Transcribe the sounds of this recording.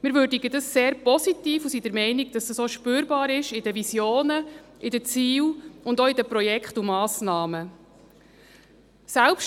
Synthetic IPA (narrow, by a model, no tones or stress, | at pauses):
mɪɾvøːɾdiɡədɑsːeːɾpɔsitiːfusidəɾmɛɪnɪɡd̥ɑsdəsoʃpøːɾbɑːɾɪʃɪdəvisjoːnəʔɪdət͡siːwʊndɔɪdəpɾɔjɛkχtumɑːsnɑːmə | sælpʃ